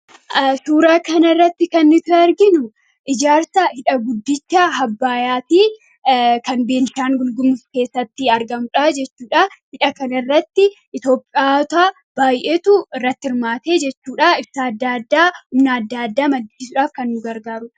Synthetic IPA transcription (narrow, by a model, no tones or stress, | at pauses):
suːɾaːkɐnɐrːɐt̪ːɪkɐnːɪt̪ʊɐɾɡɪnʊ | ʔɪd͡ʒaːɾsɐhɪᶑɐɡʊd̪ːɪt͡ʃːaːɦɐbːaːjaːt̪iː | kɐnbeːnʃaːŋɡʊlɡʊmʊfke̞ːsːɐt̪ːɪɐɾɡɐmʊᶑaːd͡ʒɛt͡ʃːuːᶑahɪᶑɐkɐnɐɪrːɐt̪ːɪʔɪt̪o̞ːpʼɪaːt̪aː | b̥aːjʔeːt̪ʊɪrːɐt̪ːɪɪɾmaːt̪e̞ːd͡ʒɛt͡ʃːuːᶑaɪbsaːd̪ːaːd̪ːaːhʊmnaːd̪ːaːd̪ːaːmɐd̪ːiːsʊᶑaːfkɐnːʊɡɐɾɡaːɾʊ